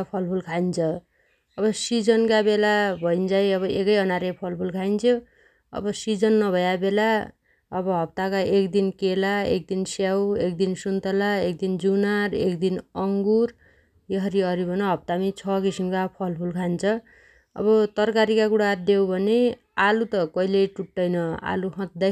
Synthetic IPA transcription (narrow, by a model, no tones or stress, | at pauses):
pʰʌlpʰulkʰaint͡sʰʌ | ʌbʌsid͡zʌnkabelabʱʌjnd͡zajʌβʌʔekʌjʌnaɾepʰʌlpʰulkʰajnt͡sʰo | ʌ̰bʌsid͡zʌnːʌbʱʌjabela | ʌbʌɦʌp̚t̪akaʔekd̪inkelaḛk̚d̪insjawekd̪insunt̪ʌlaek̚d̪ind͡zunaɾḛkd̪inʌŋɡur | jʌɦʌɾiʌɾibʱʌnʌɦʌp̚t̪amit͡sʰʌkisimkapʰʌlpʰulkʰant͡sʰʌ | ʌ̰bʌt̪ʌrkaɾikakuɽad̪ewbʱʌne | alut̪ʌkʌilejʈuʈːʌjnʌa̰luɦʌ̃d̪a